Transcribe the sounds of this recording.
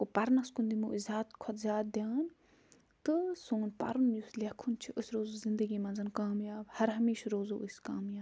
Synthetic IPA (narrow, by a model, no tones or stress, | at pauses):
kopɐɾnɐskund̪imuʔizʲaːt̪kʰɔt̪zʲaːt̪̚d̪ʲjaːn | t̪ɨsoːnpɐ̰ɾunjuːslʲɐkʰunt͡ʃʰiʔʊsɾoːzozɪnd̪əɡimɐ̃nzɐnkaːmjaːbhɐɾɦɐmeːʃɾoːzoːʔɨskaːmjaːb